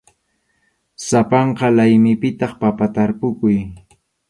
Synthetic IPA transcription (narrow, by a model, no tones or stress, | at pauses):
sapɑɴqɑlajmɪpɪt̪ɑχpapat̪aɾpʊkʊj